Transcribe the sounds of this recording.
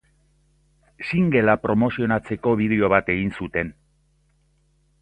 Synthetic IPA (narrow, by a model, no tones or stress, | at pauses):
siŋɡe̞lapɾo̞mo̞sio̞nat͡se̞ko̞β̞ið̞e̞o̞β̞at̪e̞ɣinsut̪e̞n